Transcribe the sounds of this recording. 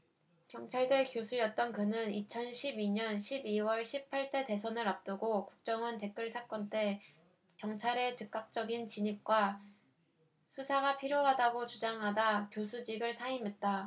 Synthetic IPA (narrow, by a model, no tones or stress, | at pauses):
kjʌŋt͡ɕʰaɭde̞kjosʰujʌt̚t͈ʌnkɯnɯnit͡ɕʰʌnɕʰibiɲʌnɕʰibiwʌɭɕʰipʰaɭt͈e̞te̞s̬ʰʌnɯɾap̚t͈ɯɡokuk̚t͡ɕ͈ʌŋɯnte̞k͈ɯɭsʰak͈ʌnt͈e̞ | kjʌŋt͡ɕʰaɾe̞t͡ɕɯk͈̚ak̚t͡ɕ͈ʌɡint͡ɕiɲip̚k͈wa | sʰusʰaɡapʰiɾjoɦadaɡot͡ɕud͡ʑaŋɦadakjosʰud͡ʑiɡɯɭsʰaimɦe̞t̚t͈a